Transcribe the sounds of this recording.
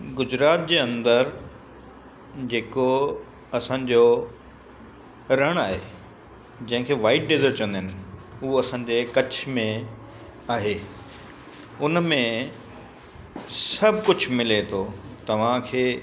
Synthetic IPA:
ɡʊzɾaːt̪̚d͡ʑeːɐ̃nd̪əɾ | d͡ʑeːko | ɐsãːɲd͡ʑo | ɾɐɽ̃aːɦeː | d͡ʑɐ̃ɦɪ̃kʰeːʋaːɪʈ̚ɖezəɾt͡ɕə̃nd̪ɪnɪ̆ʊɦoɐsãːɲ̆d͡ʑekɐt͡ɕʰmẽ | aːɦeː | ʊnmẽ | sɐbʱkʊd͡ʑʱmɪlet̪ʰot̪ɐʋ̤ãkʰeː

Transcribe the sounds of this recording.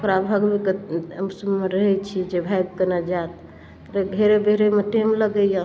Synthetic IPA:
okɾabʱəɡbekeəmsəbmeɾəɦɛt͡ʃʰid͡ʒebʱajbkənad͡ʒat̪ | ɾeɡʱeɾebeɦɾemeʈemləɡəja

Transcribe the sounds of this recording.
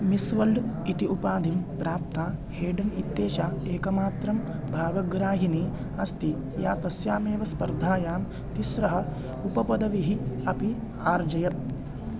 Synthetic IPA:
misʋɐlɖit̪iʔupaːd̪ʱimpɾaːp̚t̪aːheːɖɐnit̪ːeːʃaːeːkɐmaːt̪ɾɐmbʱaːɡɐɡɾaːɦiniː | ɐst̪i | jaːt̪ɐsjaːmeːʋɐspɐɾd̪ʱaːjaːm | t̪iʃɾɐɦɐ̆ | upɐpɐd̪ɐʋiɦiɐpi | aːɾd͡ʒɐjɐt̪̚

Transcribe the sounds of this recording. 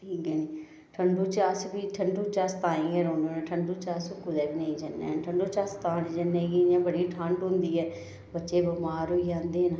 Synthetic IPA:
ʈʰiːkɛːniː | ʈʰəɳɖuːt͡ʃaːsbiːʈʰəɳɖuːt͡ʃaːst̪ãːĩːɛːɾõːnõːnẽːʈʰəɳɖuːt͡ʃaːsokʊd̪ɛːbiːnəĩːd͡ʒənːḛːnʈʰəɳɖoːt͡ʃaːst̪aːniːd͡ʒənːẽːɡid͡ʒãːbəɽiːʈʰãːɳɖɦʊ̃nd̪iːɦɛː | bətːʃeːbəmaːɾoːid͡ʒãːnd̪eːna

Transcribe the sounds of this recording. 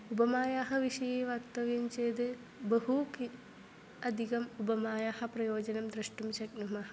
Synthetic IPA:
ubɐmaːjaːɦɐʋiʂɐjeːʋɐkt̪ɐʋjɐmt͡ʃeːd̪ɨ | bɐɦuki | ɐd̪ʱikɐmubɐmaːjaːhɐpɾɐjoːd͡ʑɐnɐmd̪ɾɨʂʈumt͡ʃɐk̚numɐɦɐ̥

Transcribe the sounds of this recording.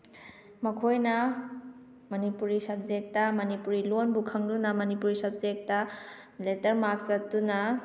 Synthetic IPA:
mɐkʰojnɐ | mɐnipuɾisɐb̚zek̚tɐmɐnipuɾilonbukʰɐŋdunɐmɐnipuɾisɐp̚zek̚tɐ | letɐɾmak̚sɐt̚dunɐ

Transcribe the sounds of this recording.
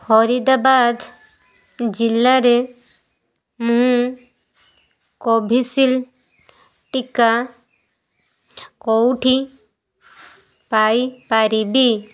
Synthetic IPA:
hɔɾid̪abad̪ | d͡ʒilːaɾe | mũɦ | kɔbʱisil | ʈika | kɔwʈʰi | pajpaɾibi

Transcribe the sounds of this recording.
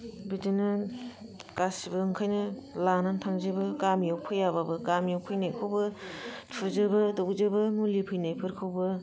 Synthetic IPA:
bidɯnɯ | kasibɯɯŋkʰajnɯlanantʰaŋzɯbɯkamjawpʰɯjababɯkamjawpʰɯjnajkʰɯwbɯtʰuzɯbɯdowzɯbɯmulipʰɯjnajpʰɯɾkʰɯwbɯ

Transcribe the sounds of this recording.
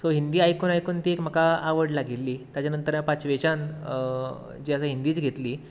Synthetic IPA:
soɦind̪iːajkuːnajkuːnt̪iːekm̤əkaːʋəɽlaɡilːiːt̪jat͡ɕjanənt̪əɾjapat͡sʋet͡ɕan | d͡ʑiːasəɦind̪iːt͡sɡʱet̪liː

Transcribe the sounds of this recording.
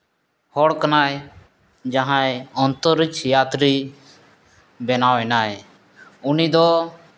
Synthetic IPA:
hɔɽkanaj | d͡ʒaɦãeɔnt̪ɔɾit͡ʃjaːt̪ɾi | bɛnawɛnaj | unid̪ɔ

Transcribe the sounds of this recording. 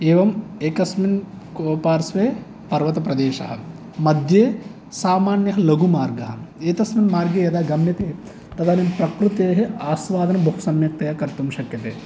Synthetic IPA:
eːʋɐmeːkɐsmin | koːpaːɾsʋeː | pɐɾʋɐt̪ɐpɾɐd̪eːʃɐɦɐ̰ | mɐd̪ʱjeː | saːmaːnjɐɦɐlɐɡumaːɾɡɐɦɐ̆eːt̪ɐsminmaːɾɡeːjɐd̪aːɡɐmnjɐt̪eː | t̪ɐd̪aːnimpɾɐkɾut̪eːɦeaːsʋaːd̪ɐnɐbɐɦusɐmjɐk̚t̪ɐjakɐɾt̪umʃɐkjɐt̪eː

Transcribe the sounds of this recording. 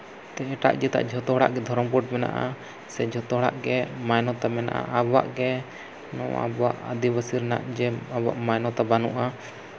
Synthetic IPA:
t̪ɛɛʈa̰ʔd͡ʒɛt̪a̰ʔd͡ʒʱɔt̪ɔɦɽa̰ʔɡɛd̪ʱɔɾɔmpuʈ̚mɛna̰ʔa̰ | sɛd͡ʒʱɔt̪ɔɦɽa̰ʔɡɛmajnɔt̪amɛna̰ʔa̰abwaʔɡɛ | nɔ̰̃a̰bwa̰ʔəd̪ibəsiɾna̰ʔd͡ʒɛaba̰ʔmajnɔt̪abanuʔa

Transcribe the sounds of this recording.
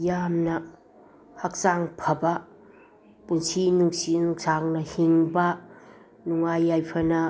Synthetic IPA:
jamnɐ | hak̚saŋpʰɐbɐ | punsʰinuŋsinuŋsaŋnɐhiŋbɐ | nuŋajːajpʰɐnɐ

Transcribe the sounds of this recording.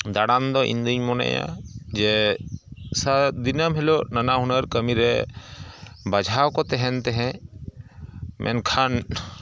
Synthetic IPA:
d̪aɽand̪ɔʔḭnd̪uɲmɔna̰ja̰d͡ʒɛ | sad̪inəmɦɛlɔnanaɦunəɾkəmiɾɛ | bad͡ʒʱawkɔt̪ɛɦɛnt̪ɛɦɛ̃ | mʔɛ̰nkʰan

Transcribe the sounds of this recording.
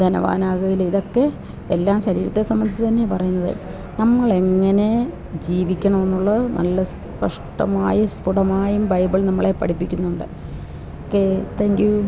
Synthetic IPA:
d̪ɐnɐ̰ʋa̰ːnaːɣɐɣiliðo̞kːe̞ | elːaːmɕɐɾḭːɾɐt̪ːesɐmbɐnd̪it͡ɕːɨt̪ɐnːe̞pɐrɐjunːɐðḛ | nɐmːɐɭe̞ŋːɐne̞ | d͡ʑiːʋikʲːɐɳɐme̞nːuɭːɐnʔɐ̰lːɐs | pɐʂʈɐ̰maːjɐspuɽɐmaːjumbɐjbɨɭnɐmːɐɭe̞pːɐ̰ʈipːikʲːunːuɳɖɨ | okːe̞t̪ʰeːŋɡju

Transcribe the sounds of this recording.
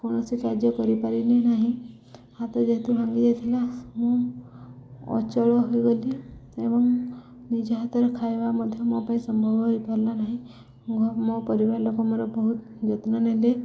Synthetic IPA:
koñɔsikaɾd͡ʒjɔkɔɾipaɾinenaɦĩ | hat̪ɔd͡ʒeɦt̪ubʱãŋɡid͡ʒat̪ʰilamũ | ɔ̰t͡ʃɔɭɔɦojɡoliebɔŋ | nid͡ʒɔɦat̪ɔɾekʰajebamɔd̪ʱjɔmõpaĩsɔmbʱɔbɔɦojpɔɾlanaɦĩ | ɡʱɔmõpɔɾibaɾlɔkɔmɔɾɔbɔɦut̪ | d͡ʒɔt̪nɔnele

